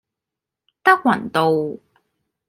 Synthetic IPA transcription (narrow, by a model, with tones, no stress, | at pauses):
t̪ɐ˥k̚wɐ˨˩nt̪o˨w